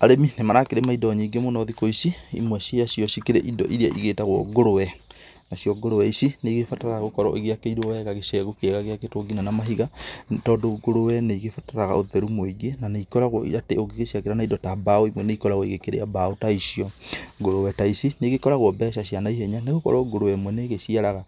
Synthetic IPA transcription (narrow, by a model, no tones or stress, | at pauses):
aɾeminemanakeɾemaidɔɲeiɡemonɔðikoisiḭmwɛsiasiɔʃikeɾeʔidɔʔiɾiaʔiɣeːtaɣwɔɡoɾowɛ | naɕjɔɡoɾowɛisineiɣefataɾaaɣokɔɾɔʔeɣeakeiɾwɔwɛɣaɣeʃɛɣokeɣaɣeaketoɡinanamaɦiɣatɔːdoɡoɾowɛneiɣefataɾaɣa̰oðɛɾumoiɡenaneikɔɾaɣwɔḭɾateoɡeɣeʃiakeɾanaidɔtabaoimwɛneikɔɾaɣwɔiɣekeɾḛabaotaisiɔɡoɾowɛtaisineɣekɔɾaɣwɔbɛʃaɕianaiheɲaneɣokɔ̰ɾɔɡoɾowɛmwɛneːɣesiaɾaɣa